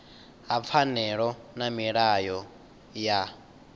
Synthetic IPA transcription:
ɦap̪fʰanɛɺɔnamiɺajɔ | ja

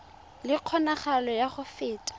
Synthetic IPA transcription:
lɪq͡χʰɔnaχalɔjaχʊfɪːtʼḁ

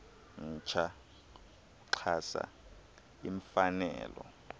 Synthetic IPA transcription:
n̩t͡ʃʰa | kuǀʰasa̰ | iɱfanɛ̰ːlɔ

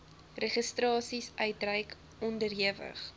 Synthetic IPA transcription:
reχəstrɑːsisʔœɥtrɐjk | ɔndərɦiəvə̰χ

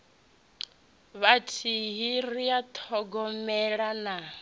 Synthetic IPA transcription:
βatʰiɦiriat̪ʰɔɡɔmɛɺana

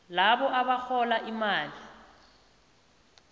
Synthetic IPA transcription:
laβɔʔaβaxɔlaʔimaːli

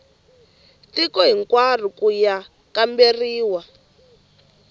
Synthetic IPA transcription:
tikɔɦiŋkwar̤ikuja | kamberiːwa

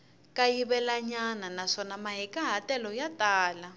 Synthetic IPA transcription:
kajiβɛlaɲananaʂɔnamaɦɛkaɦatɛlɔjataːla

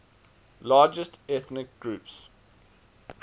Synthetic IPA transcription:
lɑːd͡ʒəstɛθnɪk̚ɡ̥ɹʉːps

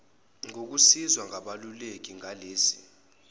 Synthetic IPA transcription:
ŋok̬usizwaŋʱaɓalulek̬ʼiŋʱaleːsi̥̰

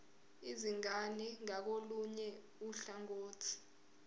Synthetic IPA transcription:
iziŋaniŋak̬oluɲɛ | uɬaŋoːtʰi̥

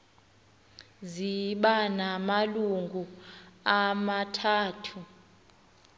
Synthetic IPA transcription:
ziɓanamaluŋɡʱuamatʰaːtʰu

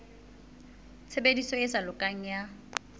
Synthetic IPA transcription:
t͡sʰebedisɔesalʊkʼaŋ̩ja

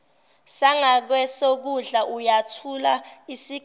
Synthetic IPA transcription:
saŋak̬wɛsok̬uɮaʔujatʰulaisi

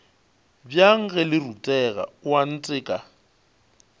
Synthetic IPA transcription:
bjaŋ̩ɣɛlɪrutʼɛɣa̰wan̩t͡sʼɪːkʼa

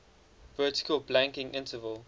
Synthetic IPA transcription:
vɜːˑtɪ̥kʰəlblæ̃ŋkɪ̃ŋʔɪ̃ntəvəlˠ

